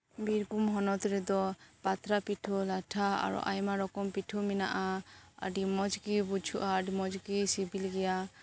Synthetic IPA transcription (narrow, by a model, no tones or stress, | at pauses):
biɾɡumɦɔnɔt̪ɾɛd̪ɔpat̪ɾapiʈʰɔlaʈʰaa̰ɾɔ̰ʔa̰jmaɾɔkɔmpiʈʰumɛna̰ʔaə̰ɖimɔd͡ʒɡibut͡ʃʰuʔaɖimɔd͡ʒɡisibilɡɛja